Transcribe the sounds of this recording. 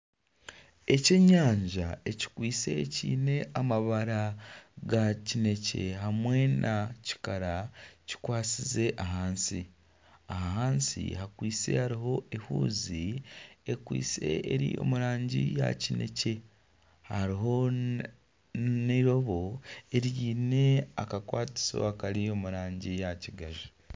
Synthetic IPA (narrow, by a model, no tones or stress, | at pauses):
e̞ce̞ɲaːɲʒae̞ci̥kwiːt͡se̞cḭːne̞amaβaɾaɡacine̞ce̞ɦamwe̞nʔaci̥kaɾaci̥kwaːt͡size̞ʔaɦaːnsi | aɦaɦaːnsḭhakwiːt͡se̞̰haɾiɦo̞ehuːziekwḭːt͡se̞̰ʔeɾiːjo̞̰muɾaːɲɟija̰cine̞̰ce̞ | haɾiɦo̞ | neɾo̞βo̞e̞ɾjiːne̞a̰kakwaːti̥so̞̰akaɾijo̞muɾaːɲɟijaciɡaʒi